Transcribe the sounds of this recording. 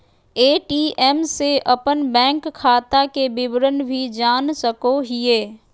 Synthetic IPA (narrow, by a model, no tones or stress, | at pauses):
eːʈiːɛmseʔɐpənbɛ̃ːŋkkʰːaːt̪akebɪbɾənbʱid͡ʒaːnsəkoɦɪeː